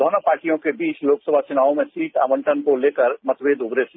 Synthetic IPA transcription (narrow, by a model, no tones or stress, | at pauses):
d̪ɔːnopaːɾʈijõkebiːt͡ʃloːksəbʱat͡ʃʊnaːõmẽsiːʈa̰ːmə̃ɳʈʰənkoleːkəɾmɐt̪ʋeːd̪ʊbɾesi